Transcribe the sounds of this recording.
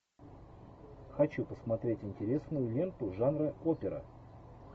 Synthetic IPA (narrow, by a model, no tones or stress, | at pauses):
xɐt͡ɕupəsmɐt̪ɾʲetʲɪnʲtʲɪɾʲe̞snʊjʊlʲe̞nt̪ʊʐanɾɨopʲɪɾə̰